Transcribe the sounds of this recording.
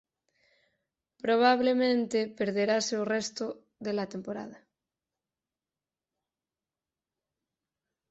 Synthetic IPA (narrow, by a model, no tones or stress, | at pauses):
pɾoβ̞aβ̞lemẽnt̪epeɾð̞eɾaseorest̪o | ðelat̪empoɾa̰ð̞a